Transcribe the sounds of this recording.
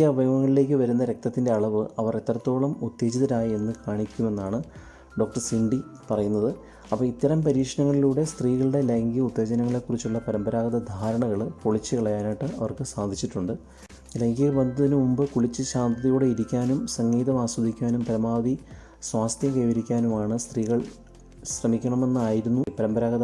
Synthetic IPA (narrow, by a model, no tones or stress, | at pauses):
ɐbʱɐjɐmɐŋːɐɭile̞ːk̬ːɨʋɐɾunːɐɾe̞k̚t̪ɐt̪ːinde̞ɐɭɐʋɨɐʋɐret̪ːrɐt̪ːo̞ːɭɐmut̪ːe̞ːd͡ʑiðɐɾaːjie̞nːɨkaːɳikʲːume̞nːaːɳɨ | ɖo̞ːk̚ʈɐrsiɳɖipɐrɐjunːɐðɨ | ɐpːoːit̪ːɐɾɐmpɐɾiːkʂɐnɐŋːɐɭiluːɽe̞st̪riːɣɐɭɨɽe̞leŋɡiut̪ːe̞ːd͡ʑɐnɐŋːɐɭe̞ːkːurit͡ɕːuɭːɐpɐɾɐmbɐɾaːɡɐðɐd̪ʱaːɾɐɳɐɣɐɭpoɭit͡ɕːɨkɐɭɐjaːnaːʈːɨɐʋɐrkɨsaːd̪ʱit͡ɕːiʈːuɳɖɨ | ɐlːeŋɡiɣɐʋɐnd̪ɐðinɨmumbɨkuɭit͡ɕːɨɕaːnd̪ʱɐðɐjuːɽe̞iɾikʲːaːnumsɐŋːiːðɐmaːswɐd̪ʱikʲːaːnumpɐɾɐmaːd̪ʱi | swaːst̪ʰjɐmkɐjʋɐɾikʲːaːnumaːɳɨst̪riːɣɐɭ | ɕrɐmikʲːɐɳɐme̞nːɨaːjiɾunːupɐɾɐmbɐɾaːɡɐt̪ɐ